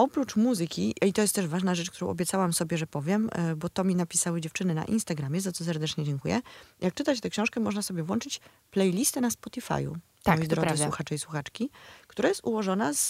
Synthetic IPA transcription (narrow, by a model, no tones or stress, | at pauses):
ɔpɾut͡ʂmuzɘkʲiit̪ɔjɛst̪ːɛʐvaʐnaʐɛt͡ʂkt̪uɾɔ̃w̃ʔɔbʲjɛt̪sawamsɔbʲjɛʐɛpɔvʲjɛmbɔt̪ɔmʲinapʲisawɘd͡ʑɛft͡ʂɘnɘna̰ʔḭnst̪aɡɾamʲjɛzat̪ɔs̬ɛɾd̪ɛt͡ʂɲɛd͡ʑɛŋkujɛ̰jak̚t͡ʂɘt̪at͡ɕt̪ɛkɕɔ̃w̃ʂkɛmɔʐnasɔbʲjɛvwɔnt͡ʂɘt͡ɕ | plɛjlʲist̪ɛnaspɔt̪ʲifa̰jṵ | t̪amɔjjd̪ɾɔzɨwuxat͡ʂɛiswuxat͡ʂkʲikt̪uɾajɛst̪uwɔʐɔnaz̥